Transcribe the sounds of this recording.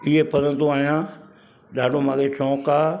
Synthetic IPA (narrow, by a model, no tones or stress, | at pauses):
ɪɦepɐɾə̃nd̪oaːɦijãː | ɗaːɖʱomãːkʰet͡ʃʰɔ̃ːkaː